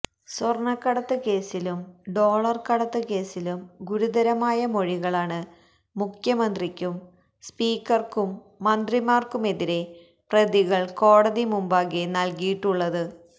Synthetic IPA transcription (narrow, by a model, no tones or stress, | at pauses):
sɐrɳɐkːɐɽɐt̪ːɨke̞ːsilumɖo̞ːɭɐrkɐɽɐt̪ːɨke̞ːsilumɡuɾuðɐɾɐmaːjɐmo̞ɻiɣɐɭaːɳɨ | mukʰjɐmɐnd̪rikʲːum | spiːkːɐrkumː | ɐnd̪rimaːrkume̞ðiɾe̞ | prɐðiɣɐɭko̞ːɽɐðimumbaːɣenɐlkijiʈːuɭːɐðɨ